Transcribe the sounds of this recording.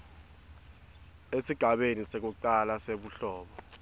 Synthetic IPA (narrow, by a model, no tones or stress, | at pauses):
esiɡ̥ʱaɓenisek̬uǃalaseɓuɬɔːɓɔ